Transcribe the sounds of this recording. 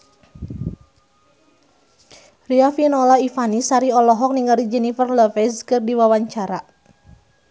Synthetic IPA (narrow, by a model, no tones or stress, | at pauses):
riafinɔlaifanisaɾiɔlɔɦɔk̚niŋɡaɾid͡ʒɛnifərləfɛzkɨrdiwawaɲt͡ʃaɾa